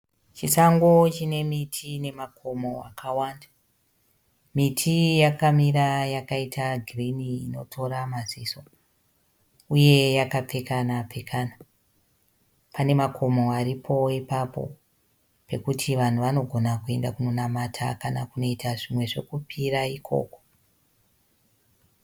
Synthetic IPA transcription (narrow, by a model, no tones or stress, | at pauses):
t͡ʃisaŋɡot͡ʃine̞mitʰine̞makʰomo̞a̰kʰawanda | mitʰijakamiɾajakaitʰaɡʱiriniːno̞tʰo̞ɾamaziso̞ | uje̞jakap͡fe̞kanap͡fe̞kʰana | pane̞makʰo̞mo̞aripʰo̞ipapo̞̰ | pe̞kutʰiʋan̤uʋano̞ɡʱo̞nakue̞ndakuno̞namatʰa̰kanakuno̞itaʐimwe̞ʐe̞kupʰiraikʰo̞̰ːko